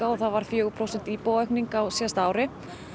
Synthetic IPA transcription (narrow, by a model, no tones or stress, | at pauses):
aɔθaðvaɾ̥fjœːɣʏpʰɾowsɛn̥t̪iːpoːwœhkniŋkawsjɛst̪aaːwɾɪ